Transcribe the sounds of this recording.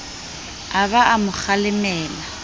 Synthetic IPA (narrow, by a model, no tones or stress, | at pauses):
aβaʔamʊk͡xalɪmɛːla